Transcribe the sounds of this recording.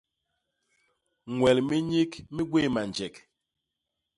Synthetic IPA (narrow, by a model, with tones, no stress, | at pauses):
ŋwɛ˨lmi˦ɲi˦kmi˦ɡwe˦˨ma˨nd͡ʒɛ˨k